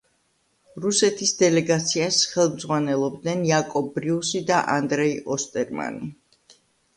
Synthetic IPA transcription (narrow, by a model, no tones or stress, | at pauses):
ɾusɛt̪ʰisd̪ɛlɛɡat̪sʰiasχɛlˠmd̪zʁwanɛlˠɔb̚d̪nɛnjakʼɔbɾiusid̪aʔand̪ɾɛiʔɔst̪ʼɛɾma̰ni